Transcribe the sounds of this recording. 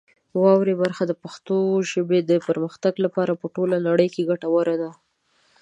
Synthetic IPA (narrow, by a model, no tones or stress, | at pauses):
wɑwɾebaɾxad̪əpaxt̪oʒəbed̪əpəɾməxt̪aɡlapɑɾapəʈolanaɽəjkeɡaʈawəɾad̪a